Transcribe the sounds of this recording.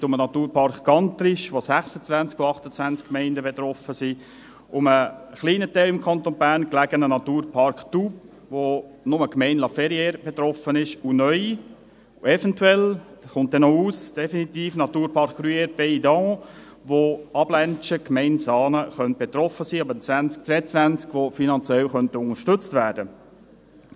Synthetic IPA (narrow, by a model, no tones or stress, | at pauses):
tʊmənɑt̪uːɾpʰɑrkɡ̥ɑnt̪ɾɪʃʋosæχsət͡svænt͡skuɑχtət͡sʋænt͡skːmɛɪndəbet̪ɾɔfəsiː | ʊməχliːnət̪ɛɪɪmkʰɑnt̪onbæːɾnklæɡənənɑt̪uːɾpʰɑrkχtup | vo | nʊməkmɛɪnlɑfɛɾjɛːɾb̥et̪ɾɔfənɪʃunœʏ | ɛfɛntwɛlχʊnt̚d̪ɛnɔuːsd̥ɛfinit̪iːfnɑt̪uːɾpʰɑɾkryɛɾbɛd̪ɑ̃ | ʋoɑblɛnt͡ʃəkmɛɪnsɑːnəχœnt̚b̥et̪ɾɔfəsiːɑbət͡svænt͡sk̚t͡sʋɛːət͡sʋænt͡skʋofinɑnt͡sjɛlχœnt̪əʊŋəʃtɵt͡stvæːɾd̥ə